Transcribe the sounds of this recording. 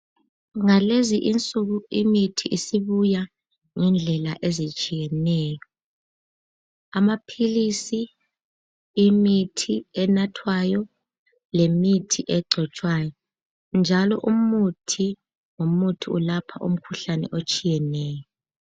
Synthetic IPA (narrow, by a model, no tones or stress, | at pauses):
ŋaleziʔint͡sʼuɣuimitʰiʔisiβuja | ŋɛnd͡ɮʱɛlaʔezit͡ʃʼijɛnɛːjɔ | amapʰilisi | imitʰiɛnatʰwajɔ | lemitʰiʔɛɡ͡ǀʱɔt͡ʃʼwajɔ | nd͡ʒʱalɔʔumutʰi | ŋomutʰiṵlapʰaʔṵm̩kʰuɬanɛ̰ʔot͡ʃʼijɛnɛːjɔ